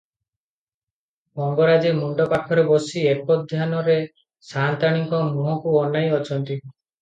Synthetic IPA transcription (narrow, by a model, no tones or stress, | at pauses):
mɔmbɔɾad͡ʒemuɳɖɔpaʈʰɔɾebɔsiekɔd̪ʱjanɔɾe | sant̪aɽ̃iŋkɔmuɦɔkuɔnajɔt͡ʃʰɔnt̪i